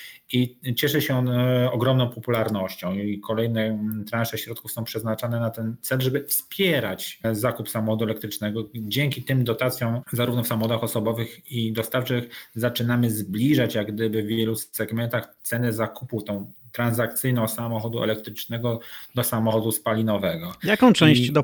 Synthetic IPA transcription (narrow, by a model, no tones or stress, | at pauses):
it͡ɕɛʂɛɕɛɔnɔɡɾɔmnɔ̃w̃pɔpulaɾnɔɕt͡ɕɔ̃w̃ikʰɔlɛjnɛt̪ɾãnʂɛɕɾɔt̪̚kufsɔ̃w̃pʂɛznat͡ʂanɛnat̪ɛnt̪sɛlʐɛbɘfspʲjɛɾat͡ɕzakupsamɔxɔd̪uɛlɛk̚t̪ɾɘt͡ʂnɛɡɔd͡ʑɛŋkʲit̪ɘmd̪ɔt̪at̪sʲjɔ̃w̃zaɾuvnɔfsamɔxɔd̪axɔsɔbɔvɘxid̪ɔst̪aft͡ʂɘxzat͡ʂɘnamɘzblʲiʐat͡ɕjaɡd̪ɘbɘvːjɛlusɛɡmɛnt̪axt̪sɛnɛzakuput̪ɔ̃w̃t̪ɾãnzak̚t̪sɘjnɔ̃w̃samɔxɔd̪uɛ̰lɛkt̪ɾɘt͡ʂnɛɡɔd̪ɔsamɔxɔd̪uspalʲinɔvɛɡɔjakɔ̃w̃t͡ʂɛ̃w̃ɕt͡ɕd̪ɔ